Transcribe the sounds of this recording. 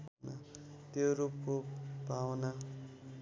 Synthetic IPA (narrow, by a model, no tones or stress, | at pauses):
nat̪joɾup̚kobʱawna